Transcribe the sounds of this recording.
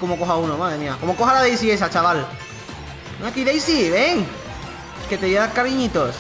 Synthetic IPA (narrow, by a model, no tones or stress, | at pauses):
komokoxaunomaðɾemiakomokoxalaðejsies̬at͡ʃaβal | nakiðejsiβeŋ | ket̪ejeðakaβiɲit̪os